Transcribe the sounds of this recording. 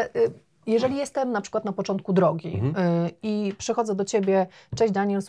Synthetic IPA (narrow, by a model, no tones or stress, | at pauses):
jɛʐɛlʲijɛst̪ɛmnapʂɘ̥kwat̪napɔt͡ʂɔnt̪̚kud̪ɾɔɡʲḭ | ipʂɛxɔd̪zɛd̪ɔt͡ɕebʲjɛt͡ʂɛ̃ɕd͡ʑd̪aɲɛls